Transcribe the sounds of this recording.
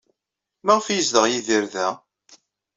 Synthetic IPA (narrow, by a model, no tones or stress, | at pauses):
mæʁfjəzðəʁjiðiɾðæ